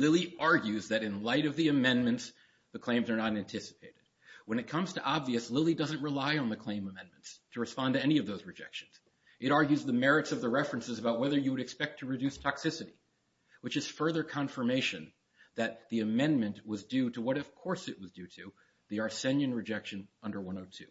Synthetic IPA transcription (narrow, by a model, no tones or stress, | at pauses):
lɪlˠiʔɑɹɡjʉzðɨɾɨ̃nlaɪɾʌvðiɨmɛ̃nmɨ̃nts | ðɨkʰl̥ẽɪ̃mzə˞nəɾæ̃ntʰɪsə̥pʰeɪɾɨd̥̚wə̃ñɨt̚kʰʌ̃mz̥tʰɨʔɑbviɨslɪlˠidʌzɨ̃nʔɹəlaɪə̃nðɨkʰl̥ẽɪ̃məmɛ̃nm̃ntstʰɨɹɨspɑ̃ntɨɛniʌvðoʊzɹɨd͡ʒɛ̰kʃɨ̃n̩z̥ | ɨɾɑɹɡjʉzðəmɛɹɨtsʌvðɨɹɛfɹɨ̃nsɨzəbaʊt̚wɛðə˞jɨwəɾɨkspɛk̚tʰɨɹɨdʉstʰɑksɪsɨɾḭ | wɨt͡ʃɨz̥fɜ˞ðə˞kʰɑ̃ɱfə˞meɪʃɨ̃n | ðɨt̪̚ðiɨmɛ̃nmɨ̃nʔwʌzdʉɾəwʌɾʌv̥kʰɔɹsɨʔ̚wʌzdʉɾɨ | ðiɑɹsɛ̃njɨ̃nɹɨd͡ʒɛkʃɨ̃nʌ̃ndə˞wʌ̃noʊtʰʉ